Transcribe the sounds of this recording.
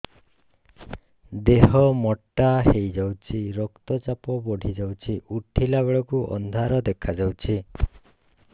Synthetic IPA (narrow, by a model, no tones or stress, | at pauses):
d̪eɦɔmɔʈːaɦejd͡ʒawt͡ʃʰiɾɔkt̪ɔt͡ʃapɔbɔɽʱid͡ʒawt͡ʃʰiʔuʈʰilaɡɔɭɔkuʔɔ̰nd̪ʱaɾɔd̪ekʰad͡ʒawt͡ʃʰi